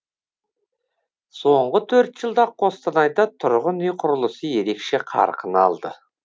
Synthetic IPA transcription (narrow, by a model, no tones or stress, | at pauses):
so̞ɴʁət̪ʰɵɾt̪ʒ̥əlˠd̪ɑqʰo̞st̪ənɑjd̪ɑt̪ʰʊɾʁənʏjqʰʊɾəlˠəsəje̞ɾe̞kʃe̞qʰɑ̰ɾqʰənɑ̰lˠd̪ə̰